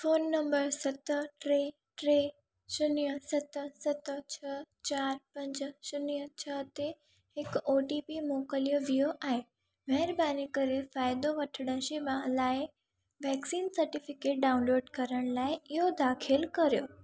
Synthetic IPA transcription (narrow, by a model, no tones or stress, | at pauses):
foːnːɐ̃mbəɾsɐt̪əʈɾeː | ʈɾeː | sʊniəsɐt̪sɐt̪t͡ɕʰɐt͡ɕaːɾpɐ̃ɲd͡ʑsʊniət͡ɕʰɐt̪e | hɪkoːʈipimoːkəlijoʋioʔaːɦe | mɛɦɪɾbaːnikɐɾefaːɪd̪oʋɐʈʰəɽə̃ʃeʋalaːɪ | ʋɛːksiːnsɐɾʈɪfɪkeːʈ̚ɖaːʊ̃nloːɖkɐɾəɽ̃laːɪɪɦod̪aːkʰɪlkɐɾijoː